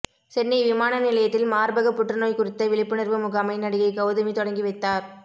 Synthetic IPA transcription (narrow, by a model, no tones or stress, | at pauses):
sɛnːiʋɪmaːnɐnɪlɐjɐt̪ːɪlmaːɾbɐɣɐpːʊʈrɐnoːjkʊɾɪt̪ːɐʋɪɭɪpːɯnɪɾʋɐmʊɣaːmɐɪnɐɽɪɣɐɪɡɐʊðɐmit̪ɔɽɐŋɡiʋɐɪt̪ːaːɾ